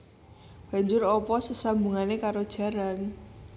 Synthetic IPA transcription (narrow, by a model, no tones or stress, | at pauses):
b̥a̤ɲd͡ʒʊrɔpɔsəsambuŋanekaɾod̥ʒ̥a̤ɾan